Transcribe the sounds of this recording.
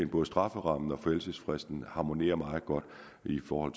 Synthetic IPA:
nb̥ɔ̽ð̩ˠsd̥ʁɑ̈fəʁɑ̈m̰n̩ɒ̽fɒelsəsfʁɛsd̥n̩hɑ̈mo̝ne̝̰ːɐmɑ̈ːð̩ˠɡ̥ɒ̽d̥ | ifɒːhɒ̽l̰t͡s

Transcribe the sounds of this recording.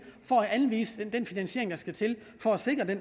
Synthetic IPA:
fɒæænʋḭːsə̥d̥enfinænɕe̝ɐ̰eŋd̥ɑ̈sɡ̥æt͡sʰe̝l | fɒ̽æse̝ɡ̥ʁɐd̥en

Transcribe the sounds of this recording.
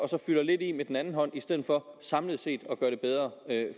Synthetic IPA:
ɒ̽sɒ̽fylɐle̝d̥imed̥en̩ænn̩ɦɒ̽n̰isd̥eð̰̩ˠfɒ̽sɑ̈mləðˠse̝̰ːd̥ɒ̽ɡ̥ɶɐɾ̥e̝b̥eð̞ˠʁɐø

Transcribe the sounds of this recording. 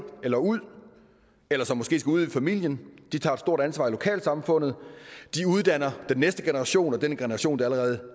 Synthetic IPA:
elɐuð̰ˠ | elɐsɒ̽mːɒ̽sɡ̥e̝̰ːsɡ̥æuð̞̰ˠifæmil̰jənd̥it͡sʰɑ̈ːed̥sd̥o̝ɐ̰d̥ænsʋɑ̈ilo̝kʰɛ̰ːlsɑ̈mfɔ̽n̰ð̩ˠd̥iuð̞ˠd̥æn̰ɐd̥enːesd̥əɡ̥e̝nəʁɑ̈ɕo̝̰ːnɒ̽d̥enəɡ̥enəʁɑ̈ɕo̝̰ːnd̥eæləʁɛːð̞̩ˠə

